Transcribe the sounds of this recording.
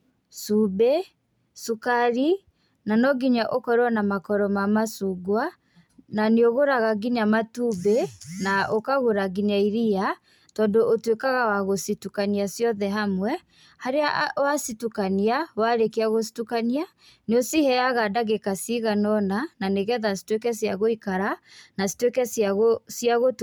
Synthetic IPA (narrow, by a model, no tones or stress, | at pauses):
sube | sukaɾi | nanɔɡiɲaʔokɔɾwɔnamakɔɾɔmamasuɡwa | naneoɣoɾaɣaɡiɲamatubenaʔokaɣoɾaɡiɲaiɾia | tɔːndoʔotwekaɣawaɣositukaniasjɔðɛɦamwɛ | haɾeawasitukaniawaɾekeaɣos̬i̥tukania | neosihɛaɣadaɣekasiɣanɔnananeɣɛðasi̥twekɛsjaɣoikaɾanasi̥twekɛsaɣosjaɣo